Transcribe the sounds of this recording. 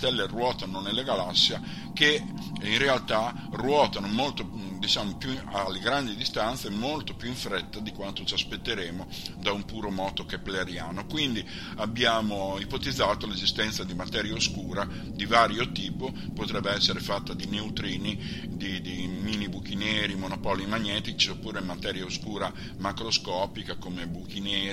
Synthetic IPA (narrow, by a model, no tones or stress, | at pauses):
t̪ɛlːerwɔːt̪anonelːeɡalasːja | ke | inrealt̪a | rwɔːt̪anomolt̪od̪it͡ʃaːmopjualːeɡɾand̪id̪ist̪ant̪semolt̪opjuiɱfɾɛt̪ːad̪ikwant̪ot͡ʃaspet̪ːeɾeːmo | d̪aumpuːɾomɔːt̪okɛpːleɾjaːnokwind̪i | abːjaːmoipot̪id̪zːaːt̪olezist̪ɛnt̪sad̪imat̪ɛːɾjaoskuːɾa | d̪ivaːɾjot̪iːpopot̪ɾɛbːeɛsːeɾefat̪ːad̪ineut̪ɾiːni | d̪id̪imiːnibuk̟inɛːɾimonopɔlimaɲːɛːt̪it͡ʃiopːuːɾemːat̪ɛːɾjaoskuːɾa | makɾoskɔːpikakomebukinɛː